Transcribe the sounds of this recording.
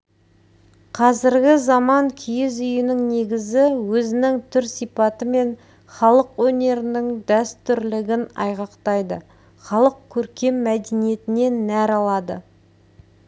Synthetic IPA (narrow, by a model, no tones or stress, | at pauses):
qʰɑzɪɾɡʲɪzɑmɑŋkʲʰʏjɪzʏjɪnɪŋne̞ɡʲɪzɪwɵzɪnɪŋt̪ʰʏɾsijpɑt̪əme̞n | χɑlˠəqwɵne̞ɾɪnɪŋd̪æst̪ʏɾlɪɡʲɪnɑ̰jʁɑqt̪ɑjd̪ə | χɑlˠəq̚kʲʰɵɾkʲe̞mːæd̪enije̞t̪ɪne̞nːæɾɑlˠɑd̪ə̰